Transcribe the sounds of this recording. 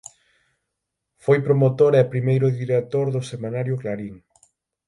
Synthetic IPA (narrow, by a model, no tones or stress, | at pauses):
fojpɾomot̪oɾɛpɾimejɾʊðiɾet̪oɾðʊsemãnaɾjʊklaɾiŋ